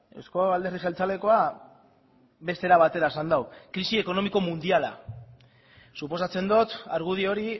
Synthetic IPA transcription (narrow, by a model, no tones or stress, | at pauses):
e̞wsko̞ald̪e̞riselt͡sale̞ko̞a | βe̞st̪e̞ɾaβ̞at̪e̞ɾaesand̪awkɾisie̞ko̞no̞miko̞mund̪iala̰ | supo̞sat͡se̞nd̪ot̪aɾɣuð̞io̞ɾi